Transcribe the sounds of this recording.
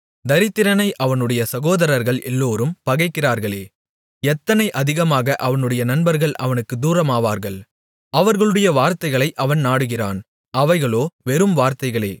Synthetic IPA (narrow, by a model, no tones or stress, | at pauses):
d̪ɐɾɪt̪ːɪɾɐnɐɪʔɐʋɐnɯɽɐjɐsɐɣoːðɐɾɐɾɣɐɭʔɛlːoːɾɯmpɐɣɐɪkːɪraːɾɣɐɭeː | ɛt̪ːɐnɐɪʔɐðɪɣɐmaːɣɐʔɐʋɐnɯɽɐjɐnɐnbɐɾɣɐɭʔɐ̰ʋɐnɯkːɯd̪uːɾɐmaːʋaːɾɣɐɭ | ɐʋɐɾɣɐɭɯɽɐjɐʋaːɾt̪ɐɪɣɐɭɐɪʔɐʋɐnnaːɽɯɣɪra̰ːn | ɐʋɐɪɣɐɭoːʋɛɾɯmʋaːɾt̪ɐɪɣɐɭeː